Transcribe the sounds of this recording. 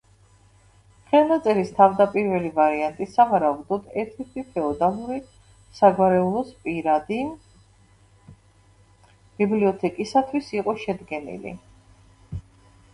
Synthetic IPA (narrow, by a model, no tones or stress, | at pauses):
χɛlˠnat̪sʼɛɾist̪ʰavd̪apʼiɾvɛlivaɾiant̪ʼisavaɾaud̪ɔd̪ɛɾt̪ʰit̪ʰipʰɛɔd̪amuɾi | saɡwaɾɛulˠɔspʼiɾad̪i | b̥ibliɔt̪ʰɛkʼisat̪ʰwisiqʼɔʃɛd̪ɡɛnḭlḭ